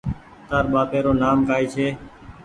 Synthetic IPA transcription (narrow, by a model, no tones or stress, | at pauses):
t̪aːɾɓaːpeːɾoːnaːmkaːiːt͡ʃʰeː